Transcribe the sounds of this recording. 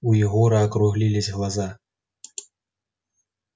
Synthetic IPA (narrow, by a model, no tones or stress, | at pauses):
ujaɣɔɾaːkɾuɣlʲilʲizʲɣlˠaza